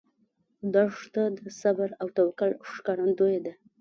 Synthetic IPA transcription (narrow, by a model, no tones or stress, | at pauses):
d̪ɑʂt̪ad̪əsabaɾawt̪awkalʂkɑɾand̪ojed̪a